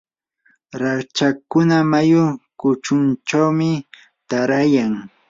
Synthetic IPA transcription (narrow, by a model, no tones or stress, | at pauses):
ɾat͡ʃakʊnamajʊkʊt͡ʃʊnt͡ʃawmɪ | t̪aɾajaŋ